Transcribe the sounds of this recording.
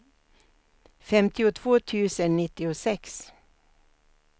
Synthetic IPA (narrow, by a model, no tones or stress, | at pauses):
fɛmt̪ɪʊt̪ʰv̥oːt̪ʰʉ̟ːsənːɪt̪ːɪʊsɛks